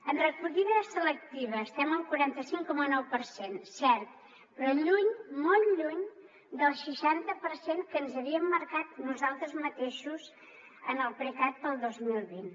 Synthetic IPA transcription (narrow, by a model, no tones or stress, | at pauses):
ənrəkuʎiðəsələk̚t̪iβ̞əːst̪ɛməlˠkuɾant̪əsiŋkɔmənɔwpəɾsensɛɾt̪̚ | pɾɔʎuɲmolˠʎuɲ | d̪əlˠʃiʃant̪əpəɾseŋkənzəβiəmːəɾkat̪nuzalˠt̪ɾəzmət̪eʃuz | ənəlˠpɾəɣat̪̚b̪əlˠd̪ozmilˠβin